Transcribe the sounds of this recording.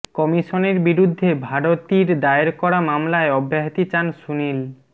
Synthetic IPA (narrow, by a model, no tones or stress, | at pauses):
kɔmiʃoneɾbiɾud̪ʱːebʱaɽot̪iɾd̪aeɾkɔɾamamlaeɔbʱːaɦit̪it͡ɕansunil